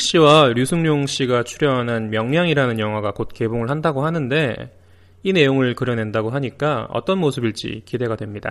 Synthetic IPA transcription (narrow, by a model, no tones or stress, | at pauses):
kɕ͈iwaɾjusʰɯŋɲoŋɕ͈iɡat͡ɕʰuɾjʌɦanɦanmjʌŋɲjaŋiɾanɯnjʌŋɦwaɡakot̚k͈e̞boŋɯɭɦandaɡoɦanɯnde̞ | ine̞joŋɯɭkɯɾjʌne̞ndaɡoɦaɲik͈aʌ̰t͈ʌnmosʰɯbiɭt͡ɕ͈ḭkide̞ɡadwe̞mɲida̰